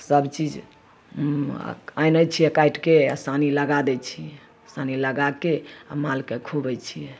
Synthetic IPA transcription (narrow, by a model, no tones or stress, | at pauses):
səbt͡ʃid͡ʒ | ajnəjt͡ʃʰijɛkajʈkesaniləɡad̪ɛt͡ʃʰijɛ | saniləɡakea̰malkekʰubɛt͡ʃʰijɛ